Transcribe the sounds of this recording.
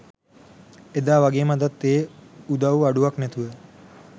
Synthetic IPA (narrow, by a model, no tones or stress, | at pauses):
ed̪aːʋaɡeːmad̪at̪ːeːud̪auaɖuʋaknɛt̪uʋə